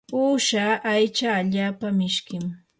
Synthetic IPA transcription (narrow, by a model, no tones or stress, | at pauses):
uːʃaʔajt͡ʃaːʎaːpamɪʃkɪm